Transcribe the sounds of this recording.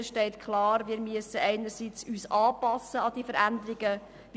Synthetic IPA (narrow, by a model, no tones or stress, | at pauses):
ʃtɛɪt̪kʰlɑːɾʋiːɾmyəsəɛɪnəɾsiːt͡syːsɑːpɑsːəɑd̥̪iːfəɾænd̪əɾiɡə | ʋ